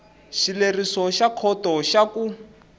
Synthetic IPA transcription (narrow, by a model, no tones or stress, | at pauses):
ʃilerisɔʃakʰɔtɔʃaku